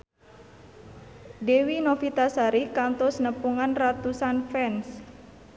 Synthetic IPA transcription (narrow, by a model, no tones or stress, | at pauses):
dewinofit̪asaɾikant̪ɔsnəpuŋanrat̪usanfɛns